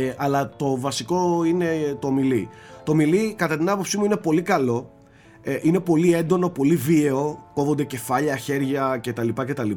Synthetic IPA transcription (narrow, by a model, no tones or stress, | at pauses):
ɐlɐt̪o̞vɐsiko̞ine̞t̪oːmili | t̪omilikɐt̪ɐt̪inɐpo̞psimuine̞po̞likɐlo̞ | ʔine̞po̞lie̞nd̪o̞no̞po̞livie̞o̞ko̞vond̪ece̞fɐʎɐçe̞ɾʝɐce̞t̪ɐlipɐce̞t̪ɐli